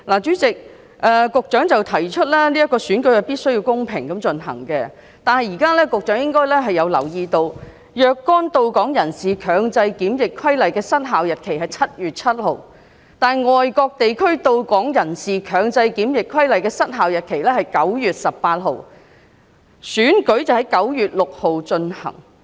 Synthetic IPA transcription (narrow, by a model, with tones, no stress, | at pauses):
laː˨˩t͡ʃyː˨˥t͡sɪ˨k̚ | ʔɛː˨˧kʊ˨k̚t͡ʃœː˨˥ŋt͡sɐ˨wt̪ʰɐ˨˩jt͡ʃʰɵ˥t̚lɛː˥liː˥jɐ˥t̚kːɔː˧syː˨˥nkɵ˨˥ɥhɐ˨˩jpiː˥t̚sɵ˥ɥjiː˧wkʊ˥ŋpʰɪ˨˩ŋkɐ˨˧˥mt͡ʃɵ˨nɦɐ̰˨˩ŋkɛ˧ | t̪aː˨nɦɐ˨jiː˨˩kaː˥lɛː˥kʊ˨k̚t͡ʃœː˨˥ŋjɪ˥ŋkɔː˥jlɛː˥ɦɐ˨jɐ˨˧wlɐ˨˩wjiː˧t̪o˧w | jœː˧kːɔː˥nt̪o˧wkɔː˨˥ŋjɐ˨˩nsiː˨kʰœː˨˧ŋt͡sɐ˧jkiː˨˥mjɪ˨kʰwɐ˥jlɐ˨jkɛː˧sɐ˥t̚ɦaː˨wjɐ˨t̚kʰe˨˩jhɐ˨jt͡sʰɐ˥t̚jyː˨˩t̚t͡sʰɐ˥t̚ho˨˩w | t̪aː˨˩nŋɔː˨jkɔː˧k̚t̪e˨jkʰɵ˥ɥt̪o˧wkɔː˨˥ŋjɐ˨˩nsiː˨kʰœː˨˧ŋt͡sɐ˧jkiː˨˥mjɪ˨kʰwɐ˥jlɐ˨jkɛː˧sɐ˥t̚ɦaː˨wjɐ˨˩t̚kʰe˨˩jlɛː˥ɦɐ˨jkɐ˨˥wjyː˨t̚sɐ˨p̚pːaː˧t̚ɦo˨˧w | syː˨˥nkɵ˨˥ɥt͡sɐ˨whɐ˨˥jkɐ˨˥wjyː˨t̚lʊ˨k̚ho˨wt͡ʃɵ˧nhɐ̰˨˩ŋ